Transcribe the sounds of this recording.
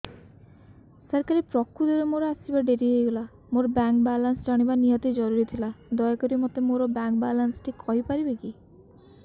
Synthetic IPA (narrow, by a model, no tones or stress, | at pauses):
sɔɾkaɾipɾɔkʰːud̪eɾɔmoɾɔasibaɖeɾiɦejɡola | moɾɔbaŋkbalansd͡ʒɔɽ̃ibanijɔt̪id͡ʒɔɾuɾit̪ʰilad̪ɔjɔkɔɾimɔt̪emoɾɔbaŋkbalansʈʰikʰɔɦipaɾibeki